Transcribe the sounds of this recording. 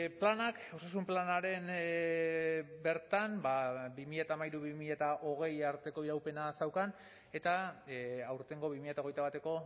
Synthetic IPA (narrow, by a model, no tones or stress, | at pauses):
planak | o̞sasumplanaɾe̞n | be̞ɾt̪anbabimiʎat̪aːmajɾuβimiʎat̪aʔo̞ɣ̞e̞jaɾt̪e̞ko̞iɾawpe̞nasawkan | e̞t̪a | awɾt̪e̞ŋɡo̞βimiʎat̪ao̞ɣ̞ejt̪aβ̞at̪e̞ko̞